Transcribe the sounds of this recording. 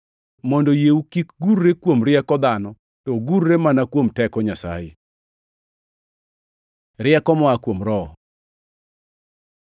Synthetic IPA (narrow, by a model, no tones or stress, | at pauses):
mɔndɔjeukikɡuɾːekwomɾɪɛkɔd̪anɔ | tɔɡuɾːemanakwomtɛkɔɲasa̰ɪ̰ | ɾɪɛkɔmɔakwomɾɔ